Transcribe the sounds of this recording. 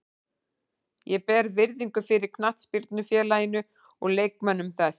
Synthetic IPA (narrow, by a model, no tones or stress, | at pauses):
jɛpɛɾvɪɾðiŋkʏfɪɾɪɾ̥kʰnaht̪spiɾt̪nʏfjɛːlajɪnʏ | ɔ̰ɣleːjkmɛnːʏmθɛs